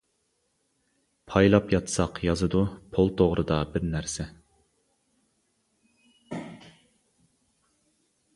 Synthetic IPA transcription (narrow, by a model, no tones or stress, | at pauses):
pʰɑjlˠɑpjɑt̪ʰsɑqjɑzɨd̪upʰolˠt̪ʰoʁɾʔɨd̪ɑbɪɾnæɾsɛ